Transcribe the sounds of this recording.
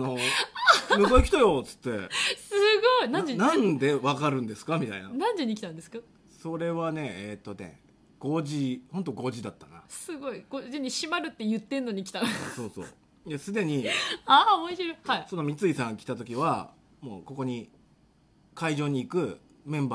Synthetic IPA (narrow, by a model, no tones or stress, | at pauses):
anoamɯkoekʲi̥t̪ajo̞t͡sɨ̥t̪ːe̞̰sɨɡo̞inãenãnd̪e̞βakaɾɯ̟̃nd̪e̞sɨ̥kamʲit̪a̰ḭna̰nãnd̪eɲ̟ikʲi̥t̪ãnd̪esɨ̥ka | so̞ɾe̞βane̞et̪ːo̞ne̞̰ | ɡ̥o̞ʑihõ̞nt̪o̞ɡo̞ʑid̪at̪ːanasɨɡo̞iɡ̥o̞diɲ̟iɕimaɾɯ̟t̪ːe̞jɯ̟t̪ːe̞nːoɲ̟ikʲi̥t̪aso̞ːso̞̰ː | jasɨd̪e̞ɲ̟iaːomoɕiɾohaiso̞no̞mʲit͡sɨisãŋkʲi̥t̪at̪o̞kʲiβa̰ | mo̞̰ːko̞ko̞ɲ̟i | kaiʑo̞ːɲ̟iːkɯ̟ | mẽ̞mba